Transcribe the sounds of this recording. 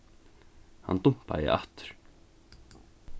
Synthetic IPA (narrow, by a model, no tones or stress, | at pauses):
ha̰nt̪um̥pa̰jɪ̰ʔa̰ht̪ʏ̥ɾ̥